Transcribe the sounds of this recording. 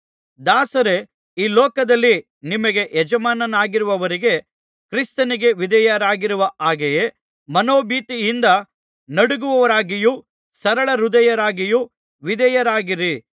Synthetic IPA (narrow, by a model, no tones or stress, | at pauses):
d̪aːsɐɾe̞ | iːlɔːkɐd̪ɐlːi | nimɐɡe̞ʔjɛd͡ʒɐmaːnɐnaːɡiɾuʋɐʋɐɾiɡe̞ | kɾist̪ɐniɡe̞ʋid̪ɐjɐɾaːɡiɾuʋɐʔaːɡeje | mɐnoːbiːt̪ijind̪ɐ | nɐɽuɡuʋɐʋɐɾaːɡiju | sɐɾɐɭɐɾud̪ɐjɐɾaːɡiju | ʋid̪ɐjɐɾaːɡiɾi